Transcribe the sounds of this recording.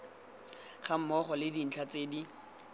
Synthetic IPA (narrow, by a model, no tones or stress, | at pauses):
χam̩mɔχɔlɪdin̩t͡ɬʰat͡seːdi